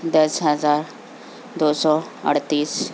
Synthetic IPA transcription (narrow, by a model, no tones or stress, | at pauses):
d̪əsɦəd͡zaɾ | d̪osɔ | ə̰ɽt̪iːs